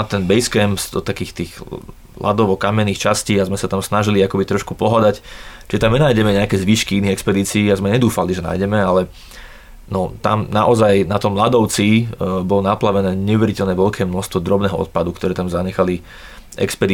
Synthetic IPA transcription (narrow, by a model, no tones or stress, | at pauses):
at̪ɛnbɛjskɛmpz̥d̪ɔt̪akiːxt̪iːɣ | la̰d̪ɔʋɔkamɛnːiːxt͡ʃasciːazmɛsat̪amsnaʒiliakɔbit̪ɾɔʃkupɔɦad̪act͡ʃiʒɛt̪amɲɛnaːjɟɛmɛɲɛakɛːzʋiːʃkiiniːɣɛkspɛd̪iːt͡siːazmɛɲɛd̪uːfaliʒɛna̰ːjɟɛmɛalɛ | nɔt̪a̰mna̰ʔɔzajnat̪ɔmːlad̪ɔʊt͡sibɔlɔnaplaʋɛnɛːɲɛuʋɛɾicɛlnɛːʋɛʎkʰɛːmnɔʃst̪ʋɔd̪ɾɔbnɛːɦɔɔ̰t̪̚pad̪ukt̪ɔɾɛːt̪amzaɲɛxali | ɛ̰kspɛd̪i